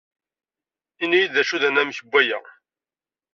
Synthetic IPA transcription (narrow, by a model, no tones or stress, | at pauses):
inijiðæʃuðænæmçəbʷːæjæ̰